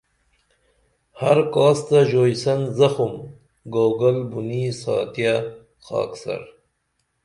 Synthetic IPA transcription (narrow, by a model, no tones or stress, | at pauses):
haɾkɑːst̪aʒoːjsɐnzɐxum | ɡoːɡalbunisɑ̰ːt̪ja | xɑ̰ːksa̰ɾ